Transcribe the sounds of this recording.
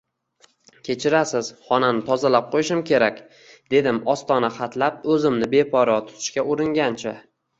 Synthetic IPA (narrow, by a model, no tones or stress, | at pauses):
kʲʰe̞t͡ʃʰɪɾasɪz̥χɒnanɪt̪ʰɒzalap̚qʰojɪʃɪmkʲʰe̞ɾakʲ | d̪̥e̞d̪ɪmɒst̪ɒnaχat̪ʰlap̚ɵzɪmnɪbe̞pʰɒɾɒt̪ʰʊ̥t̪ʰɪ̥ʃkʲaʊɾɪŋʲant͡ʃʰa